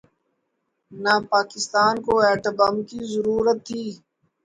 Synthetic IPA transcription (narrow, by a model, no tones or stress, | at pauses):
napaːkɪst̪aːnkoɛːʈ̪əbamkizəɾuːɾət̪ʰːiː